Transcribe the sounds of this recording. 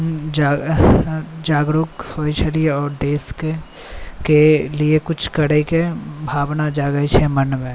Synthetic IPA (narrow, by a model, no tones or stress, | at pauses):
d͡ʒaː | d͡ʒaːɡɾukhoːit͡ʃʰɛlieɔːɾɖ̪eːske | keliekʊt͡ʃʰkɐɽəikebʱaːbnad͡ʒaːɡəit͡ʃʰɛmənmẽ